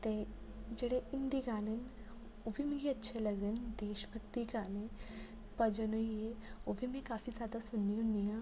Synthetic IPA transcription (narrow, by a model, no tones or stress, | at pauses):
t̪e | d͡ʒeɽeʔɪ̃nd̪iɡaːnən | obʱimẽɡiɐtːʃʰelɐɡənd̪eːʃbək̚t̪ikaːnẽ | pɐd͡ʒənoieobʱimẽkaːfizjaːd̪asʊnːiũnijãː